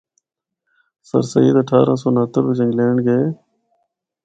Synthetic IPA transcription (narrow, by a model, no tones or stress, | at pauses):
sə̰ɾsə̰ḭːd̪əʈʰaːɾãːs̬oːnəɦət̪əɾbɪd͡ʒə̃ŋɡleːɳɡeː